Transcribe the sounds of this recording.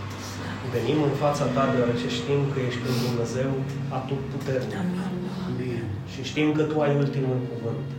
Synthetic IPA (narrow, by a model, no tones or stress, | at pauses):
ve̞nimɨnfat̪sat̪ad̪eoaɾe̞t͡ʃe̞ʃt̪imkəje̞ʃt̪̚ʲpɾind̪umne̞ze̞w | at̪uput̪e̞rnik | ʃiʃt̪imkət̪uajult̪imulkuvɨnt̪